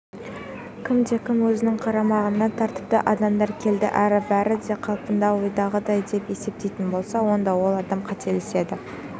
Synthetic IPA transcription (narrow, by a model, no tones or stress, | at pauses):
kʲʰɪmd̪e̞kʲʰɪmwɵzɪnɪŋqʰɑɾɑmɑʁənːɑt̪ʰɑɾt̪ə̥p̚t̪əʔɑd̪ɑmd̪ɑɾkʲʰe̞ld̪ɪ̰ʔæɾɪbæɾɪd̪e̞qʰɑlˠpənd̪ɑwojd̪ɑʁəd̪ɑjd̪e̞pe̞se̞p̚t̪e̞jt̪ɪnbo̞lˠsɑwo̞nd̪ɑwo̞lˠɑd̪ɑmqʰɑt̪ʰe̞lese̞d̪ɪ